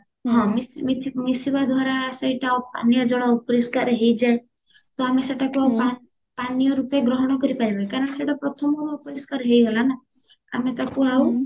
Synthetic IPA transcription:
ɦɔ̃mimit̪ʰimisibad̪ʱwaɾasejʈaupa̰nijɔd͡ʒɔɽaupɔɾiskaɾɦejd͡ʒa | t̪ɔameseʈakuaupa | panijɔɾupeɡɾɔɦɔɽ̃ɔkɔɾipaɾibekaɾɔɳ̃seʈapɾɔt̪ʰɔmɔɾɔupɔɾiskaɾɦejɡɔlana | a̰met̪akuaw

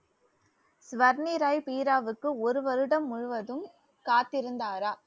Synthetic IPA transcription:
sʋɐɾniɾaːjpiːɾaːʋɯkːɯɔɾɯʋɐɾɯɽɐmːʊɻʊʋɐðɯm | kaːt̪ːɪɾɯnd̪aːɾaː

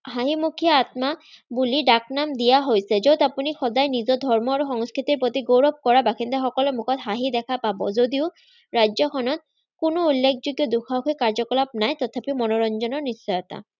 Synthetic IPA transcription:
ɦaɦimukʰijaːt̪̚ma | buliɖaknamd̪ijaɦojsɛzowt̪apunixɔdajnizɔd̪ʱɔɹmɔaɹuxɔŋskɹit̪iɹpot̪iɡowɹɔb̚kɔɹabakʰind̪ɛxɔkɔlɔmukʰɔt̪ɦaɦid̪ɛkʰapabɔ̰zod̪iʊ | ɹajzɔkʰɔnɔt̪̚ | kʊnʊulːekʰzuɡjɔd̪ukʰaukʰɔkaɹzɔkɔlap̚najt̪ɔt̪ʰapimɔnɔɹɔnd͡ʒɔnɔɹnisːɔjɔt̪a̰

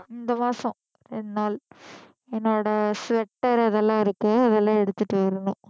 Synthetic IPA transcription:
ɪnd̪ɐmaːsɐ̃ | ɛnːaːl | ɛnːoːɽɐsʋɛʈːɐɾɐðɛlːãːɔɾɯkːɯɐðɛlːãːɛɽɯt̪ːɯʈːɯʋɐɾɐɳʊ̃

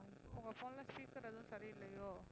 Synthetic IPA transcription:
ɪʊŋɡɐfoːnlãːspiːkːɪɾɐðʊ̃sɐɾiɪlːɐjoː

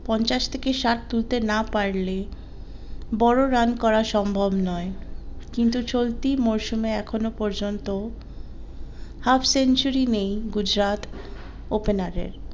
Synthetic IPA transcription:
pɔnt͡ɕaʃt̪ʰekeʃat̪̚t̪ult̪enapaɾle | bɔɾoɾankɔɾaʃɔmbʱobnɔekint̪ut͡ɕolt̪imoɾʃumeɛkʰonopɔɾd͡ʑont̪o | hafʰsent͡ɕuɾinejɡud͡ʑɾat̪ | openaɾḛɾ

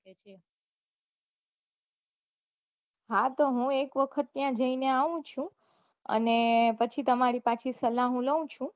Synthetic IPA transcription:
e | ɦat̪oɦũekʋəkʰət̪̚ːjãd͡ʒəineaʋũt͡ʃʰũ | ə̰nepət͡ʃʰit̪əmaɾipat͡ʃʰisəlaɦũləũt͡ʃʰũ

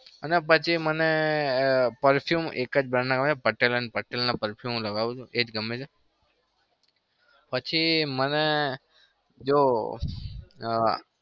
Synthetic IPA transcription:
ənepət͡ʃʰiməne | pəɾfʰjumḛkəd͡ʒbɾanaɡəmeepəʈelənpəʈelnapəɾfʰjumləɡaʋũt͡ʃʰũʔed͡ʒɡəmːet͡ʃʰe | pət͡ʃʰiməne | d͡ʒo

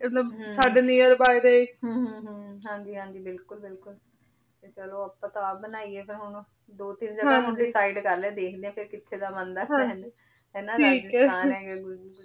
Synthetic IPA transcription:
ɪlobsaːɖeːniəɾbaːid̪eːeːɦɦɦãːɲd͡ʒiːɦãːɲd͡ʒiːbɪlkʊlbɪlkʊl | t̪et͡ʃəloːəpːãːt̪ãbənaːiːeːpʰɪɾɦʊnː | d̪oːt̪ɪnd͡ʒəɦɡãːɦʊnd̪iːsaːiɖkəɾlẽːd̪eːkʰd̪eːãːpʰɪɾkɪt̪ʰːeːd̪aːmənd̪ãːɦn | ɦɛːnãʈʰɾiːkɛaːnɦɛːɡɛːɡʊ

